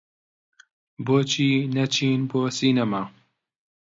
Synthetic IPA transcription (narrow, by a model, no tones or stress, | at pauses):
boːt͡ʃʰiːnɐt͡ʃʰiːnboːsiːnɐmaː